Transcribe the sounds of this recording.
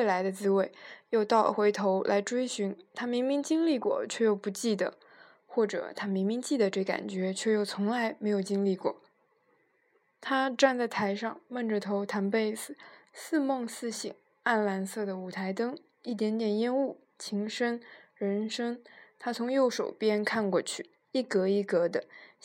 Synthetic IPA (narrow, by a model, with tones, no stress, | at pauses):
we˥˩la˧˥ɪd̪ə˧t͡sɹ̩˥we˥˩ɪjo˥˧ʊt̪ɑ˥˩ʊlə̰˩xwe˧˥ɪt̪ʰo˧˥ʊlʔa̰˧˥ɪʈ͡ʂwe˥ɪɕy˧˥nt̪ʰa˥mi˧˥ŋmi˧˥ŋt͡ɕi˥ŋli˥˩kwɔ̰˥˩t͡ɕʰɥɛ˥˧jo˥˩ʊpu˧˥t͡ɕi˥˩d̪ə̰˩ | xwɔ˥˩ʈ͡ʂɤ̰˨˩t̪ʰa˥mi˧˥ŋmi˧˥ŋt͡ɕi˥˩d̪ə˩ʈ͡ʂɤ˥˩˧ka̰˨˩nt͡ɕɥɛ˧˥t͡ɕʰɥɛ˥˧jo˥˩ʊt͡sʰʊ˧˥ŋla˧˥ɪme˧˥ɪjo˨˩ʊt͡ɕi˥ŋli˥˧kwɔ̰˥˩ | t̪ʰa˥ʈ͡ʂa˥˧nt͡sa˥˩ɪt̪ʰa˧˥ɪʂɑ˥˧ŋmə˥˩nʈ͡ʂə˩t̪ʰo˧˥ʊt̪ʰa˧˥npe˥˩ɪsɹ̩˩sɹ̩˥˧mɑ˥˧ŋsɹ̩˥ɕḭ˨˩˦ŋ | a˥˩nla˧˥nsɤ˥˩d̪ə˩u˨˩t̪ʰa˧˥ɪt̪ɤ˥ŋ | i˥˩t̪jɛ˧˥nt̪jɛ˨˩njɛ˥nu˥˩ | t͡ɕʰi˧˥ŋʂə˥ŋɻə˧˥nʂɤ˥ŋt̪ʰa˥t͡sʰʊ˧˥ŋjo˥˩ʊʂo˨˩ʊpjɛ˥nkʰa˥˧nkwɔ̰˥˧t͡ɕʰy˥˩ | i˥˩kɤ˧˥i˥˩kɤ˧˥d̪ə˧